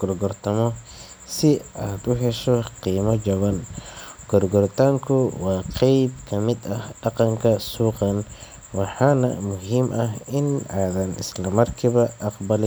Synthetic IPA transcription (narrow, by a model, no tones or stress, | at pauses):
ɡ̥ɔrɡɔrt̪ʰɐmɔ | sɪʔaːd̪ʊɦɛʃɔqiːmɐd͡ʒɐβɐnɡ̥ɔrɡɔrt̪ʰaːŋkʰʊwɑːqʰɛjb̚kʰɐmɪd̪ɐhɖɑqɑŋkʰɐsuːqɑn | wɑħɑːnɐ̰mʊɦimʔɐɦɪnaːðɐnɪ̰slɐmɐrkʰɪβɐʔɑqbɐlɪ